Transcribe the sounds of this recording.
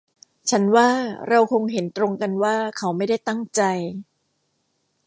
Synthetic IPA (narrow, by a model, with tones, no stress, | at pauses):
t͡ɕʰa˦˥nwaː˥˩ɾa˧wkʰo˧ŋɦe˩˦nt̪ɾo˧ŋka˧nwaː˥˩kʰa˦˥wma˥˩jda˥˩jt̪a˥˩ŋt͡ɕa˧j